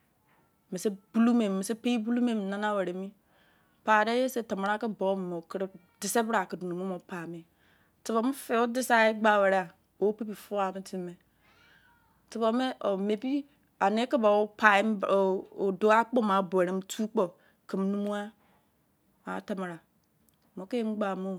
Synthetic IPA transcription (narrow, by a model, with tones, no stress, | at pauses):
me˨se˦bu˦lu˦me˨m˨me˨se˦pe˦i˦bu˦lu˦me˨m˨na˦na˦we˨ɾe˨mi˦ | pa˨de˦je˦se˦ta˨m˨ɾa˦ki˦bo˨˦m˨mo˨kɾ | dɪ˨se˦bɾa˨ki˨du˨nu˨mu˦mo˨˦pa˨mi˨ | ti˨bo˨˦m˦fe˨o˦dɪ˦sa˦i˦ɡ͡ba˦˨we˨ɾa˨ | o˨˦pe˦pi˨fu˦a˨˦mi˦ti˦me˨ | ti˨bo˨me˦ʔo˨me˨bi˦ | a˨ne˦ki˦ba˨˦pa˨˦˨do˨˦a˦k͡po˦ma˨˦be˨ɾe˨˦m˦tʰu˦k͡po˨ | ki˨m˦nu˦mu˦a˦ | ma̰˨˦ta˨m˨ɾa˨ | mo˨˦ke˦ŋ͡m̩˦ɡ͡ba˨mo˦˨